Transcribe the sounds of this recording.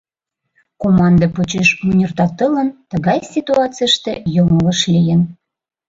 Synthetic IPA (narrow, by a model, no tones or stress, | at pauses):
komɑnd̪ɤpot͡ɕeʃunʲərt̪ɑt̪ələnt̪ə̆ɣɑjsʲit̪uɑt͡sijəʃt̪ejomolə̆ʃlʲijən